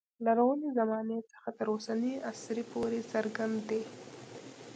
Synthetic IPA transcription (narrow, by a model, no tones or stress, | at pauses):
laɾawəlezamɑnet͡sə̥xat̪əɾosaniasɾipʰoɾesəɾɡand̪d̪e